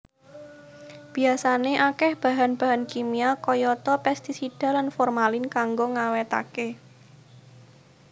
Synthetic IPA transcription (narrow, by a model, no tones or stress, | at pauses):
b̥i̤asaneʔakɛhb̥a̤ɦanb̥a̤ɦankimiakɔjɔt̪ɔpɛst̪isid̥a̤lanfɔrmalɪnkaŋɡoŋawɛt̪a̰ke